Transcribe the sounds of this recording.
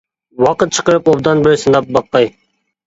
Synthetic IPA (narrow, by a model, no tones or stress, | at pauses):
wɑqət̪̚t͡ʃʰə̥qəɾɨpobd̪ɑnbɪɾɪsɨnd̪ɑp̚bɑqːɑj